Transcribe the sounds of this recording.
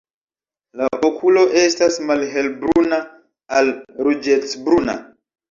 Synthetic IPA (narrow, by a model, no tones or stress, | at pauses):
laʔokʰulo̞ʔe̞stasmalɦe̞lbɾuna | alɾud͡ʒesbɾuna̰